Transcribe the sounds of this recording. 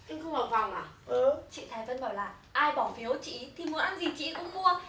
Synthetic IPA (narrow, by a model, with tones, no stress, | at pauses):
ɲɨ˧˦ŋxə˧wŋ͡mhaː˨˩fa˨˩wŋ͡mʔaː˨˩ʔt͡ɕḭ˧˨t̪ʰaː˨˩və˧nɓaː˧˩wlaː˨˩ | ʔaː˧jɓɔ˧˩nfi˨˦əwt͡ɕḭ˧˨˦t̪ʰi˨˩mu˨˦ə˦nʔa˧nzi˨˩t͡ɕḭ˧˥kʊ̰˧˥wŋ͡mmu˧ə